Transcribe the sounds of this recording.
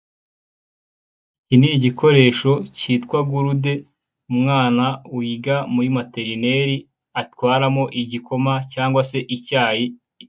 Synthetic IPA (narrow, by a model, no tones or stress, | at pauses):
ciniɟiko̞ɾe̞ːʃo̞ciːtkwaɡuɾude̞ | umŋaːnawiːɡamuɾimate̞ɾine̞ɾi | atwaːɾamo̞ʔiɟiko̞macaːŋɡwase̞ʔicaːji